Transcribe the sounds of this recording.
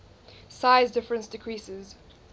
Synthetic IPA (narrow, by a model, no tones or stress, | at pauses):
saɪzdɪfɹə̃nsdɪkʰɹ̥isɪz